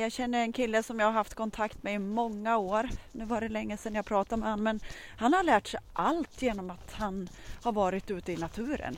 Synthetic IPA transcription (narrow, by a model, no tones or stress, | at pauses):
jɑːɡɕɛnːəɾɛnkʰɪlːəsɔmjɑaɡhaɾhaft̪kʰɔnt̪ʰakt̪mɛɪmɔŋːaoːɾnʉ̟ːvaɖɛlɛŋːəsɛnjapʰɾɑːt̪aɾmɛhanːmɛnhanhaɾɭæːʈʂɛjʔalt̪jeːnɔmat̪han | haɾvɑːɾɪt̪ʉ̟ːt̪əɪnat̪ʰʉ̟ːɾə̰n